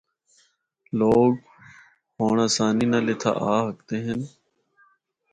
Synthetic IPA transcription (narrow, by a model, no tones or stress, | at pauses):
loːɡ | ɦoːɳãːsaːniːnaːleːt̪ʰa̰ːʔaːɦəkt̪eːɦɪn